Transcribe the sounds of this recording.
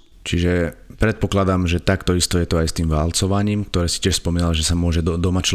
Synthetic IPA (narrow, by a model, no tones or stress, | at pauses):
t͡ʃiʒɛpɾɛt̪̚pɔklad̪amʒɛt̪akt̪ɔist̪ɔjɛt̪ɔajst̪iːmʋalt͡sɔʋaɲiːmkt̪ɔɾɛːsicɪɛʃspɔmiːnalʒɛsamʊɔʒɛd̪ɔmat͡ʃ